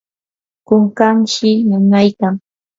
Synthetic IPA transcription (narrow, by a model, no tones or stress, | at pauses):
kʊŋkamʃɪnanajkaŋ